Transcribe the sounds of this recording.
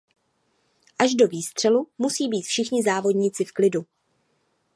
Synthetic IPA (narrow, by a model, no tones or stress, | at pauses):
ʔaʒdo̞viːst̪r̝̥ɛlumusiːbiːt̪fʃɪxɲɪzaːvo̞dɲɪt͡sɪfklɪdu